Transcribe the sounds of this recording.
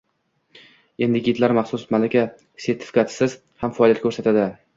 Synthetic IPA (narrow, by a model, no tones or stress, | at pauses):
e̞nd̪ɪɡʲɪt̪laɾmaχsʊsmalakʲa | se̞ɾt̪ʰɪ̥fɪ̥kat̪ʰsɪz̥ | hamfaːlijat̪kʰɵɾsat̪ʰad̪ɪ